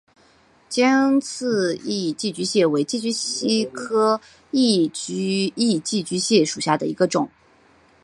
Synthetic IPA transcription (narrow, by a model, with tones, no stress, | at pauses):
t͡ɕjɛ˥nt͡sʰɹ̩˥˧i˥˧t͡ɕi˥˩t͡ɕy˧˥ɕjɛ˥˩we˧˥ɪt͡ɕi˥˩t͡ɕy˥ɕi˥kʰɤ˥ | i˥˩t͡ɕi˥˧t͡ɕi˥˩t͡ɕy˧˥ɕjɛ˥˩ʂu˨˩ɕja˥˩d̪ə̰˩i˧˥ɡə˧ʈ͡ʂʊ˨˩˦